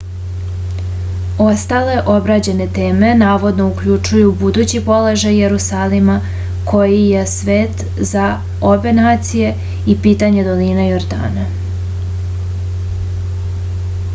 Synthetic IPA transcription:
o̞st̪ale̞ʔo̞bɾad͡ʑe̞ne̞t̪e̞ːme̞naːʋo̞d̪no̞ukʎut͡ʂujubud̪ut͡ɕipo̞le̞ʒajːe̞ɾusaːlima | kʰo̞jije̞sʋe̞ːt̪ | za | o̞be̞naːt̪sije̞ | ipiːt̪aɲe̞d̪o̞linajo̞ɾd̪a̰ːna

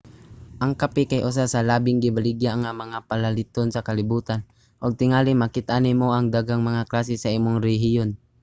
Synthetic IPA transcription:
ʔaŋkapikajʔʊs̬asalabɪŋɡɪbaliɡjaŋamaŋapalalɪt̪onsakalɪbuːt̪an | ʔoɡ̚t̪ɪŋaːlɪmakɪt̪aʔanimoʔaŋd̪aɡaŋmaŋaklaːsisaiːmʊŋɾɛɦijon

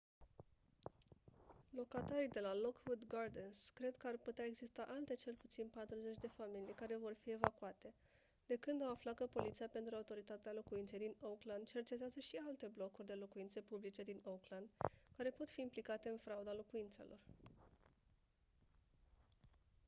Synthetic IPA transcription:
lo̞kat̪aɾid̪e̞lalo̞kwud̪ɡard̪enskɾe̞d̪kəarput̪eae̞ɡzist̪aʔalt̪e̞t͡ʃe̞lput̪sinpat̪ɾuze̞t͡ʃʲd̪e̞familijkaɾe̞vo̞rfie̞vakuat̪e̞ | d̪̥e̞kɨnd̪awaflat̪̚kəpo̞lit̪sijape̞nt̪ɾuaut̪o̞ɾit̪at̪ealo̞kuint̪se̞jd̪inowkland̪̚t͡ʃe̞rt͡ʃe̞t̪eazəʃialt̪e̞blo̞kurʲd̪e̞lo̞kuint̪se̞publit͡ʃe̞d̪inokland̪kaɾe̞po̞t̪fiːmplikat̪e̞ɨnfɾaud̪alo̞kuint̪se̞̰lʔo̞̰r

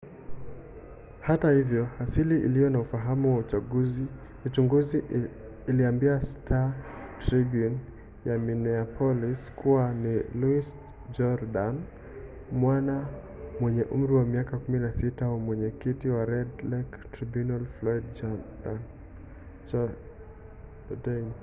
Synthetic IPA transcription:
hatahivjɔhasiliʔḭlijɔnaufaɦamuwaut͡ʃaɡuzi | ut͡ʃuŋɡuziː | liambiastʰatɾibjun | jaminɛapʰɔliskuwaniluis | d͡ʒɔɾdan | mwana | mwɛɲɛʔum̩ɾiwamiakakuminasitawamwɛɲɛkitiwaɾɛdlɛktɾibjunalflɔidd͡ʒɔdan | dɛm

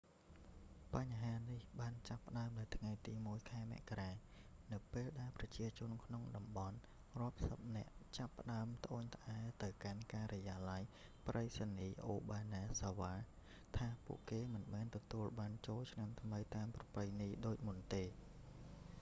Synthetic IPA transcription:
paɲɦaːnihɓaːnt͡ɕapːə̆ɗaəmnɨwt̪ʰŋajt̪iːmuəjkʰaɛmɛ̰̆əʔkaraː | nɨwpeːlɗaɛlprɑt͡ɕiət͡ɕʊ̆ənkʰnoŋɗɑmɓɑn | rŏəp̚səp̚nɛ̆əʔt͡ɕapːə̆ɗaəmt̪ə̆ʔoːɲt̪ʰʔaɛt̪ɨwkankaːɾɔjaːlaj | prʔəjsaniːʔo̰ːɓaːnaːsaʋaː | t̪ʰaːpṵəʔkeːmɨnmɛːnt̪ɔt̪uəlɓaːnt͡ɕoːlt͡ɕʰnamt̪ʰməjt̪aəmprɑpɨjniːɗoːc̚munt̪eː

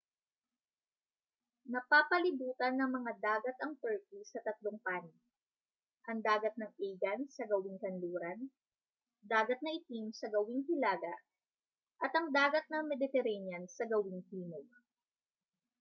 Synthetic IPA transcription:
nɐpaːpɐlɪbuːt̪ɐnːɐŋmɐŋad̪aːɡɐt̪ɐŋpɛɹkisɐt̪ɐt̪loŋpan | ʔɐŋd̪aːɡɐt̪̚nɐŋʔiɡɐnsɐɡɐwɪŋkɐnluːɾɐn | d̪aːɡɐt̪̚nɐʔɪt̪imsɐɡɐwɪŋhɪlaːɡɐʔ | ʔɐt̪ɐŋd̪aːɡɐt̪̚nɐŋmɛd̪ɪt̪ɛɾɛnjɐnsɐɡɐwɪŋhiːnoɡ̚

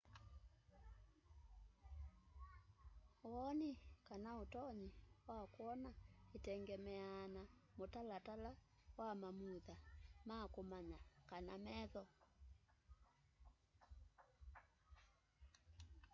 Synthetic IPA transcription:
oɔnikanaotɔɲiwakwɔnaetɛŋɡɛmɛanamotalatala | wamamuðamakomaɲakanamɛðɔ

